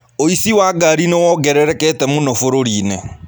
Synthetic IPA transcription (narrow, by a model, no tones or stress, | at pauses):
oisiwaːɡaɾinewɔɡɛɾɛɾɛkɛtɛmunofoɾoɾiːne